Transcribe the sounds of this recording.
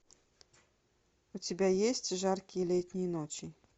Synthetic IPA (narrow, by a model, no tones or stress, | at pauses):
ut͡sʲɪbʲajesʲt͡sʲʐarkʲijɛlʲɛtʲnʲijɛnɔt͡ɕʲi